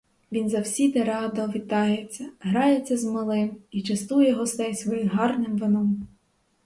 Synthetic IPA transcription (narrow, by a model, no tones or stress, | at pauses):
ʋʲinzɐwsʲid̪ɛɾɑd̪ɐʋʲit̪ɑjet͡sʲːɐɦɾɑjet͡sʲːɐzmɪlˠɪmit͡ʃɐst̪ujɛɦɔst̪ɛjsʋɔjizɦɑrnɪmʋɪnɔm